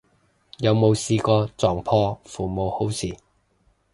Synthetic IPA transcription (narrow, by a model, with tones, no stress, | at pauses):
jɐ˨˧wmo˨˧wsiː˧kɔː˧t͡sɔː˨˩ŋpʰɔː˧fuː˨˩mo˨˧who˨˥wsiː˨˩